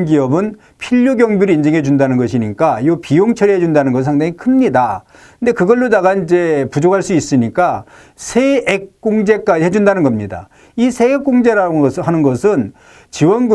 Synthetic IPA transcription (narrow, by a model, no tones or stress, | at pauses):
ɡiʌbɯn | pʰiʎːuɡjʌŋbiɾɯind͡ʑe̞ŋɦe̞d͡ʑundanɯnɡʌɕʰiɲik͈ajopijoŋt͡ɕʰʌɾiɦed͡ʑundanɯnɡʌnsʰaŋdaŋikʰɯmɲida | ɯnde̞kɯɡʌɭːodaɣaind͡ʑe̞pud͡ʑokʰaɭs͈uis͈ɯɲik͈a | sʰeːk̚k͈oŋd͡ʑe̞k͈aiɦe̞d͡ʑundanɯnɡʌmɲida̰ | isʰe̞ek̚k͈oŋd͡ʑeɾhanɯnɡʌsʰɯn | t͡ɕiwʌnɡ